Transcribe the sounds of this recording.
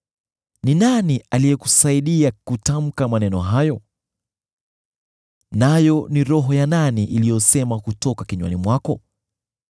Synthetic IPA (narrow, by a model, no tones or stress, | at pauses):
ninanialijɛku̥saiɗiakutam̩kamanɛnɔɦajɔ | najɔniɾɔɦɔjananiʔilijɔsɛmakutɔkakiɲwa̰nimwakɔ